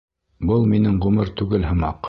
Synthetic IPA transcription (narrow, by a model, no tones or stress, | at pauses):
bɤlˠminɘŋʁʉmɘɾt̪ʉɡɘlɦɤ̆mɑq